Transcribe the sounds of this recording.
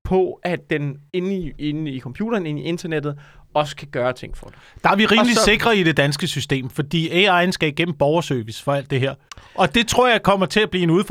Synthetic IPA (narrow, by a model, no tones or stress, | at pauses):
pʰɒ̽ʔæd̥ene̝nienikʰɒ̽mpʰjṵːɾ̥ɐːne̝nie̝nd̥ɐned̥ð̞̩ˠɒ̽sə̥kʰæɡ̥ɶːɐt͡sʰe̝ŋ̰fɒd̥d̥ɑ̈æɐʋiʁiːmlise̝ɡ̥ʁɐiɾ̥e̝d̥ænsɡ̥əsysd̥e̝̰ːmfɒ̽d̥ḭːeɑ̈ɪnsɡ̥ɛ̰b̥̚ɡ̥en̰m̩b̥ɒʊɐsøɐʋisfɒ̽æl̰d̥e̝ɦeɐ̰ʔɒ̽d̥e̝t͡sʰʁo̝ɐ̰jɑ̈ɪkʰɒ̽m̰ɐt͡sʰe̝læb̥liːe̝nuðˠf